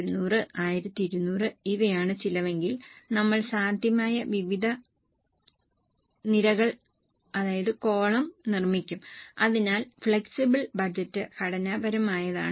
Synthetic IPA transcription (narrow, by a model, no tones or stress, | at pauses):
ɾunːuːrɨʔaːjiɾɐt̪ːiiɾunːuːrɨiʋɐjaːɳɨt͡ɕilɐʋe̞ŋɡilnɐmːɐɭsaːnd̪ʱjɐmaːjɐʋiʋid̪ʱɐ | niɾɐɣɐɭ | ɐðaːjɐðɨko̞ːɭɐmnirmikʲːumɐðinaːlfɭeksibɐɭbɐd͡ʑɐtːɨkɐɽɐnaːbɐɾɐmaːjɐða̰ːɳɨ